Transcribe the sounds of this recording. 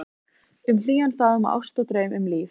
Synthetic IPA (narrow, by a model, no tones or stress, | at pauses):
ʏml̥iːɣanfaːðʏmaʔa̰wst̪ɔwt̪ɾœːɥmʔʏmliːf